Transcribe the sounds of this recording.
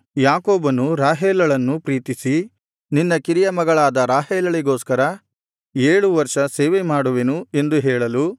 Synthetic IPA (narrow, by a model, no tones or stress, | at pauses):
jaːkoːbɐnuɾaːɦeːlɐɭɐnːupɾiːt̪isi | ninːɐkiɾijɐmɐɡɐɭaːd̪ɐɾaːɦeːlɐɭiɡo̞ːskɐɾɐ | eːɭuʋɐɾʂɐseːʋemaːɽuʋenue̞nd̪uɦɛːɭɐlu